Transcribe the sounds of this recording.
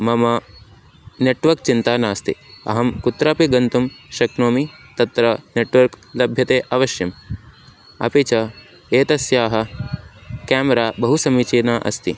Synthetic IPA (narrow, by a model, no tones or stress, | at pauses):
mɐmɐ | neʈʋɐɾk̚t͡ʃint̪aːnaːst̪ḭɐ̰ɦɐmkut̪ɾaːpiɡɐnt̪umʃɐknoːmit̪ɐt̪ɾɐneʈʋɐɾklɐbʱjɐt̪eːʔɐʋɐʃjɐm | ɐ̰pit͡ʃɐ | eːt̪ɐsjaːɦɐ̆ | kaːmɐɾaːbɐɦusɐmit͡ʃiːnaːʔɐ̰st̪i